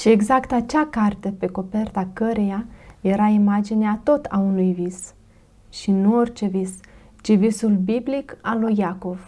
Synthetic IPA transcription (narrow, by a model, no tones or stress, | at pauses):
ʃie̞ɡzakt̪at͡ʃakart̪epe̞ko̞pe̞rt̪akəɾe̞jaje̞ɾaimad͡ʒineat̪o̞t̪ʰaunujvis | ʃinuo̞rʲt͡ʃe̞vis | t͡ʃivisulbiblikalujako̞v̥